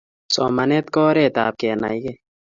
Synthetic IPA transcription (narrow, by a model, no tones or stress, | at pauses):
sɔ̰mɐnet̪̚kɔːɾeːt̪a̰ːp̚keːna̰jɡe